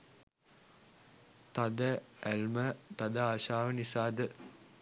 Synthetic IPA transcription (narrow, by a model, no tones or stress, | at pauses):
t̪ad̪əælmət̪ad̪əaːʃaːʋənisaːd̪ə